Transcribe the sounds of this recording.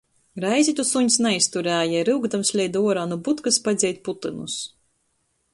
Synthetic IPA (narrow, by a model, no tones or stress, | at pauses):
ɾajzʲit̪usuɲsnɛist̪uɾæːjaɾɨwɡd̪amslʲɛjd̪uɔɾaːnubut̪kɨspad̪zʲɛjt̪̚ʲput̪ɨnus